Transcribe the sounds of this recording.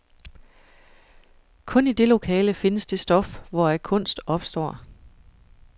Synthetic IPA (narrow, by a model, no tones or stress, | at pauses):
kʰɔ̽nid̥e̝lo̝kʰɛːləfe̝nəsd̥e̝sd̥ɒ̽fʋɒækʰɔ̽n̰sd̥ɒ̽b̥sd̥ɒ̰ː